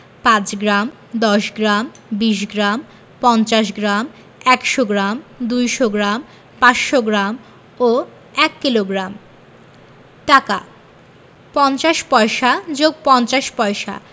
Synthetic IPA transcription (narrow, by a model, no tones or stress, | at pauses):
pãt͡ɕɡɾam | d̪ɔʃɡɾam | biʃ̬ɡɾam | pɔnt͡ɕaʃ̬ɡɾam | ɛkʃoɡɾamd̪ujʃoɡɾam | pãsʃoɡɾam | o | ɛkːiloɡɾam | ʈaka̰ | pɔnt͡ɕaʃpɔeʃad͡ʑoɡ̚pɔnt͡ɕaʃpɔeʃa̰